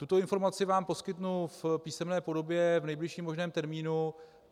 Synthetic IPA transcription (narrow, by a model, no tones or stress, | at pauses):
t̪ut̪o̞ɪnfo̞ɾmat͡sɪvaːmpo̞skɪt̪nufpiːsɛmnɛːpo̞do̞bjɛvnɛjblɪʃiːmo̞ʒnɛːmt̪ɛɾmiːnu